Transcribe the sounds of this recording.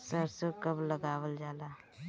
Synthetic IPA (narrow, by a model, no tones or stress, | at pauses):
səɾsəkəbləɡaːwəld͡ʒaːlaː